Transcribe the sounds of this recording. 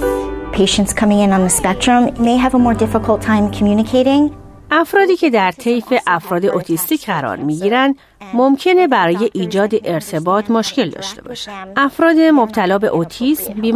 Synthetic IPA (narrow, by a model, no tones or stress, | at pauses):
pʰeɪʃɨ̃ntskʰʌmɪ̃ŋɪ̃nə̃nðəspɛk̚tɹə̃mmeɪɨvəmɔɹdɪfəkʰl̩ˠtʰãɪ̃mkʰəmjʉnɨkʰeɪɾɪ̃ŋ | ʔæfɾɒːd̪iːcʰe̞d̪æɾt̪ʰe̞jfe̞ʔæfɾɒːd̪e̞ʔot̪ʰist̪iːcɢæɾɒ̰ɾmiːɟiːɾænd̪ | momcʰe̞ne̞bæɾɒːje̞ʔiːd͡ʒɒːd̪e̞ʔeɾt̪ʰe̞bɒːt̪ʰmoʃce̞ld̪ɒ̰ːʃt̪e̞̰bɒ̰ːʃæ̥ʔæfɾɒːd̪e̞mob̥̚t̪ʰælɒːbe̞̰ʔot̪ʰismbiːm